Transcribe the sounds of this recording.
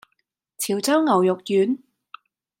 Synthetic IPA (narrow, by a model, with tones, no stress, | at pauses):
t͡sʰiː˨˩wt͡sɐ˥wŋɐ˨˩wjʊ˨k̚jyː˨˥n